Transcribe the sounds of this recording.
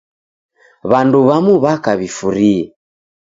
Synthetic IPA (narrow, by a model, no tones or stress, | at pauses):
βanduβamuβakaβifuɾiɛ